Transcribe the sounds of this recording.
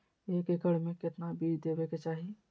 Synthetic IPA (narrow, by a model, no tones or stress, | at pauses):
eːkɪkəɽmẽkɪt̪nabiːd͡ʒd̪eːbeket͡ʃaːɦi